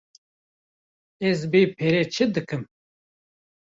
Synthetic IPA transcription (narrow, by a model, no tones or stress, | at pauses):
ɛzbeːpʰeɾeːt͡ʃʰɨd̪ɨkɨm